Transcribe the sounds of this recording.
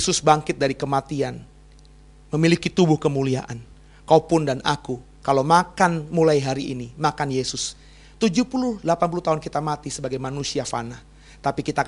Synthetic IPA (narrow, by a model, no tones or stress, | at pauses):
jsʊsbaŋkɪt̪̚daɾikəmat̪ian | məmilikit̪ubʊhkəmuliaʔan | kapʊndanʔaku | kalowmakanmulajɦaɾiinimakanjesʊs | t̪ud͡ʒuhpulʊlapanp̬uluht̪aʊnkit̪amat̪isəbaɡajmanusiafa̰nah | t̪apikit̪a